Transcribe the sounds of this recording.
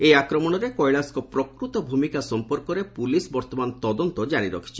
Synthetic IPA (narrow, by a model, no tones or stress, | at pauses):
eakɾɔmɔɽ̃ɔɾekɔjɭaskɔpɾɔkɾut̪ɔbʱumikasɔmpɔɾkɔɾepulisbɔɾt̪ɔmant̪ɔd̪ɔnt̪ɔd͡ʒaɾ̃iɾɔkʰi̥t͡ʃʰi̥